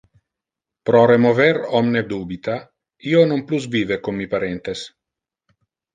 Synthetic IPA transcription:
pɾɔɾemoveɾɔmned̪uːbit̪a | iːonompluzviːvekomːipaɾɛnt̪es

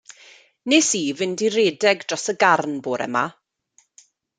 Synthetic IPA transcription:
neːsiːvɪndiɾeːdɛɡdrɔsəɡarnboːɾɛ̰ma

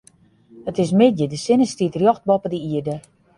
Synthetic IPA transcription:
ətɪs̬mɪt̚jədəsɪnəstitrjɔxt̚bɔpədəiərdə

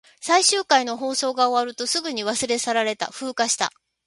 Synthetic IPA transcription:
saiɕɨːkaino̞ɦo̞ːso̞ːɡaoβaɾɯ̟t̪o̞sɨɡɯ̟ɲ̟iβasɨɾe̞saɾaɾe̞t̪a̰ɸɯ̟ːkaɕi̥t̪a̰

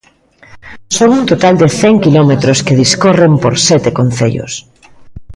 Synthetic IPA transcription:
soɣunt̪ot̪ald̪eθɛŋkilɔmet̪ɾoskeðiskorempoɾsɛt̪ekon̟θeʎo̰s

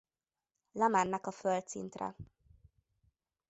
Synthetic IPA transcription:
lɛmanːɛkɒfølt̪sḭnt̪rɛ̰

